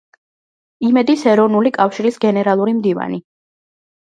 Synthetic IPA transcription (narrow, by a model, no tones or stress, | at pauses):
imɛd̪isɛɾɔvnulikʼafʃiɾisɡɛnɛɾalˠuɾimd̪iva̰ni